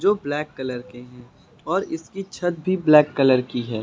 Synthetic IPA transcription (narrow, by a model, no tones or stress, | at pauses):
d͡ʒoːblɛːkːɐləɾkeɦɛ̃ː | ɔːɾɪskit͡ʃʰɐt̪̚bʱiblɛːkːələɾkiɦɛː